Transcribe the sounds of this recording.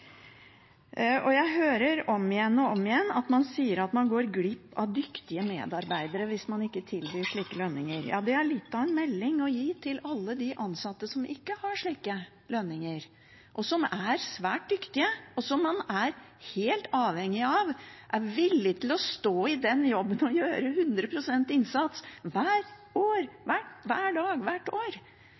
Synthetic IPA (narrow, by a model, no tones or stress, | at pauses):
ɔjæɪɦøːɾəɾɔmɪjɛnːɔɔmɪjɛnːɑt̪mɑnsiːəɾɑt̪mɑnɡoːɾɡlɪpːɑ̰ʋd̪ʏkt̪ɪəmḛːd̪ɑɾbæɪd̪əɾəʋɪsmɑnɪkːət̪ʰɪlbyːʂɭiːkəlœnːɪŋəɾjɑ̰ːd̪ɛæɭɪt̪ːɑɛnmɛlːɪŋɔjiːt̪ʰɪlɑlːəd̪ɪʔɑnsɑt̪ːəsɔmʔɪkːəhɑʂɭiːkə | lœnːɪŋəɾ | ʔɔsɔmæɾsʋæːʈ̚d̪ʏkt̪ɪəɔsɔmːɑnæɾheːlt̪ɑːʋhɛŋːɪɑʋʔæɾʋɪlːɪt̪ʰɪlɔst̪oːɪd̪ɛnjɔbːənɔjøːɾəhʉnd̪ɾəpʰɾʊsɛnt̪ɪnsɑt̪sʋæːɾ | oːɾʋæʈʋæːɖɑːɡʋæʈːoːɾ